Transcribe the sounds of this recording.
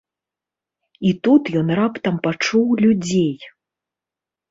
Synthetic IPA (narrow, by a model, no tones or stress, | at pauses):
it̪ut̪jɔnrapt̪ɐmpat͡ʂuwlʲud͡zʲej